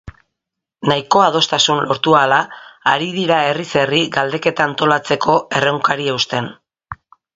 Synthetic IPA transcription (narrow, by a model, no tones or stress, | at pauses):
naiko̞að̞o̞st̪asunlo̞ɾt̪ualaːɾiðiɾaerise̞riɡald̪e̞ke̞t̪aːnt̪o̞lat͡se̞kʰo̞e̞rewŋkaɾieust̪e̞n